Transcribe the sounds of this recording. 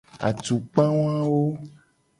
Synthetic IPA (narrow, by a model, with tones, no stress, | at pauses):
a̰˨t̪u˨k͡pã˦wã˦wo˦